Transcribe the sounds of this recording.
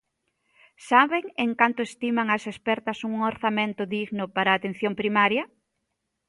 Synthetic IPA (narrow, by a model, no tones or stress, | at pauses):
saβeŋeŋkant̪ʊest̪imaŋɐsespɛɾt̪ɐsuŋoɾθamẽnt̪ʊðiɣnʊpaɾaːt̪ẽn̟θjoŋpɾimaɾjɐ